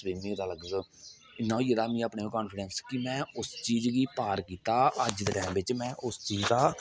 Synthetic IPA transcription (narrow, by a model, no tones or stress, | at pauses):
sʋiːmĩd̪aːləɡeːd̪oː | ɪnːãːiːəd̪aːmĩːəpɳẽːkɔːnpʰɪɖənskɪmɛ̃ːʊst͡ʃiːd͡ʒɡiːpaːɾkiːt̪aːʔəd͡ʒd̪eːʈɛːmbɪt͡ʃmɛ̃ːʔʊst͡ʃiːd͡ʒd̪aː